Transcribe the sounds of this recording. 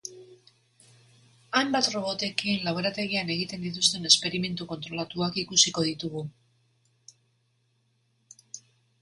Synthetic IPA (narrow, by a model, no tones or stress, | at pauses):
ajmbat̪ro̞βo̞t̪e̞kinlaweɾat̪e̞ɣiane̞ɣ̞it̪e̞nd̪it̪ust̪e̞ne̞spe̞ɾime̞nt̪uko̞nt̪ɾo̞lat̪uakikusiko̞ð̞it̪uɣu